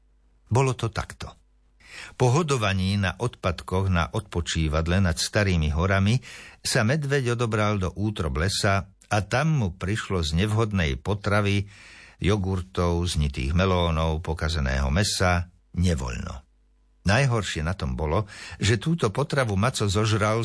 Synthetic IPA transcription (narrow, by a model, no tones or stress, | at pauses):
bɔlɔt̪ɔt̪a̰kt̪ɔ̥ | pɔɦɔd̪ɔʋaɲiːnaʔɔt̪pat̪kɔɣna̰ʔɔt̪̚pɔt͡ʃiːʋad̪lɛnat̪st̪aɾiːmiɦɔɾamisamɛd̪ʋɛɟɔd̪ɔbɾald̪ɔʔuːt̪ɾɔblɛsaː | t̪amːupɾiʃlɔzɲɛʋɦɔd̪nɛjpɔt̪ɾaʋijɔɡuɾt̪ɔʊzɲit̪ḭːɣmɛlɔːnɔʊpɔkazɛnɛ̰ːɦɔ̰mɛsa | ɲɛʋɔ̰ʎnɔ̰ | najɦɔɾʃɪɛnat̪ɔmbɔlɔʒɛt̪uːt̪ɔpɔt̪ɾaʋumat͡sɔzɔʒɾal